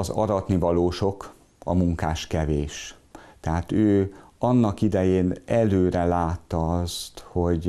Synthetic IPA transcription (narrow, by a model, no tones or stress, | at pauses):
ɒzɒ̰ɾɒt̪nivɒloːʃo̞k | ɒ̰muŋkaːʃkɛveːʃt̪ɛɦaːt̪øːɒnːɒkid̪ɛjeːnɛløːɾɛlaːt̪ːɒɒst̪ho̞ɟ